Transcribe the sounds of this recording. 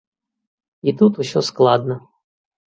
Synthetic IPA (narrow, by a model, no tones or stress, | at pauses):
it̪ut̪usʲɔsklˠad̪nə